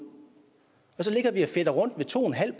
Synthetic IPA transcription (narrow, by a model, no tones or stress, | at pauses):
ɒ̽s̬ɒ̽le̝ɡ̥ɐʋiæfed̥əʁɔ̽n̰d̥ʋet͡sʰo̝̰ːenɦæl̰b̥